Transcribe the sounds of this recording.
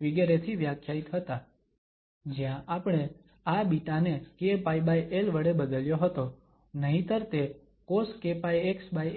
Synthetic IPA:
ʋiɡeɾet̪ʰiʋjakʰjait̪ɦət̪a | d͡ʒjãʔapɳ̃e | abiʈanekepaibajʔelʋəɽebəd̪əljoɦət̪o | nəɦĩt̪əɾt̪e | koskepajeksbaj

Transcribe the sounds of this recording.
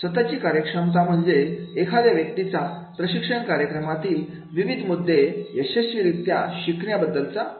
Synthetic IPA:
sʋət̪at͡ɕiːkaɾjəkʂəmt̪̬am̤əɳd͡zeːkʰad̪jaʋjək̚t̪it͡sa | pɾəɕikʂəɳkaɾjəkɾəmat̪iːl | ʋiʋid̪ʱmud̪ʱːejəɕəɕiɾit̪ːjaɕikɳjabəd̪ːəlt͡sa

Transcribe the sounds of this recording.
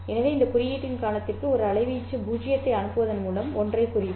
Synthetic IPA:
ɛnɐʋeɪnd̪ɐkʊɾɪjiːʈːɪnkaːɳɐt̪ːɪrkɯɔɾɯɐɭɐɪʋɪjt͡ʃːɯbuːd͡ʒɪjɐt̪ːɐɪɐɳɯpːɯʋɐðɐnmuːlɐmɔndrɐɪkʊrɪjɯ

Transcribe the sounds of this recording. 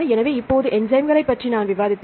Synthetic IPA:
ɐɛnɐʋeːɪpːoːðɯʔɛnd͡ʒɐɪmɡɐɭɐɪpːɐʈrinaːnʋɪʋaːðɪt̪ː

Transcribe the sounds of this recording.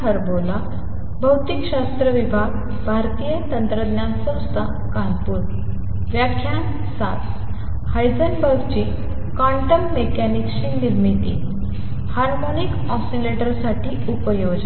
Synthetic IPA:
ɦəɾbola | bʱəwt̪ikɕast̪ɾəʋibʱaɡ | bʱaɾt̪ijət̪ənt̪ɾəd̪njansə̃w̃st̪ʰa | kãnpuːɾ | ʋjakʰːjan | sa̰t̪ | hajd͡zənbəɾɡt͡ɕi | kɔ̃ɳʈəmːekænikɕiniɾmit̪ḭ | haɾmonik | ɔsileʈəɾsaʈʰiːupəjod͡ʑ

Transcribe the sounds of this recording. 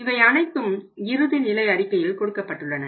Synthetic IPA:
ɪʋɐɪɐnɐɪt̪ːɯmɪɾɯðɪnɪlɐɪɐɾɪkːɐjɪlkɔɽɯkːɐpːɐʈːɯɭːɐnɐ

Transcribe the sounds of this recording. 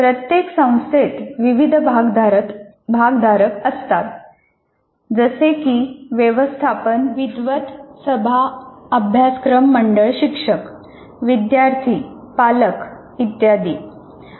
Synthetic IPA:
pɾət̪jeksə̃w̃st̪et̪ʋiʋid̪ʱbʱaɡd̪aɾə | bʱaɡd̪ʱaɾəkəst̪at̪ | d͡zəsekiːʋjeʋəst̪ʰapənʋid̪ʋət̪səbʱaəbʱjaskɾəmːəɳɖəɭɕikʂək | ʋid̪jaɾt̪ʰiː | palək | it̪jad̪iː

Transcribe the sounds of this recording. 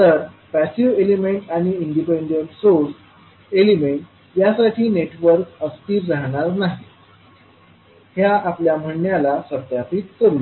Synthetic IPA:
t̪əɾ | pæsiʋelimeɳʈaɽ̃iiɳɖipeɳɖəɳʈsoɾs | elimeɳʈ | jasaʈʰiːneʈʋəɾkəst̪iːɾɾaɦɽ̃aɾnaɦi | hjaʔapljam̤əɳːjalasəɾt̪japiːt̪̚kəɾuːl

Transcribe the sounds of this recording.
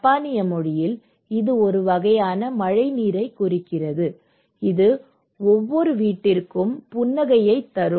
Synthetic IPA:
paːnɪjɐmɔɻɪjɪl | ɪðɯɔɾɯʋɐɣɐjaːnɐmɐɻɐɪniːɾɐɪkːʊrɪkːɪrɐðɯ | ɪðɯ | ɔʋːɔɾɯʋiːʈːɪrkɯmpʊnːɐɣɐjɐɪt̪ːɐɾɯ

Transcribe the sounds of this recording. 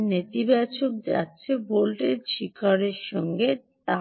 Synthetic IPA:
net̪ibɛt͡ɕʰok̚d͡ʑa̰tːɕʰebolʈeɾʃikaɾeɾʃɔŋɡet̪a

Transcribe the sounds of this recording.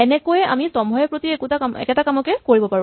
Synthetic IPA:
ɛnɛkojɛa̰misɔmbʱɔjɛpɹotiekutakamɛ̰kɛtakamɔkɛkoɹibɔpaɹũ

